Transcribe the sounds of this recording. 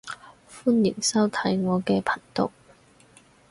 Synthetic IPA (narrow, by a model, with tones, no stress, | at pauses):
fuː˥njɪ˨˩ŋsɐ˥wt̪ʰɐ˨˥jŋɔː˨˧kɛː˧pʰɐ˨˩nt̪ʊ̰˨k̚